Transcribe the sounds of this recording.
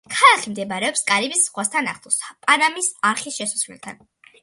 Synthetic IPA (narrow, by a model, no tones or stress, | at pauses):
kʰalˠaχimd̪ɛbaɾɛɔpskʼaɾibisʁwast̪ʰana̰χt̪ʰɔspʼanamisaɾχisʃɛsu̥svlḭlt̪ʰa̰n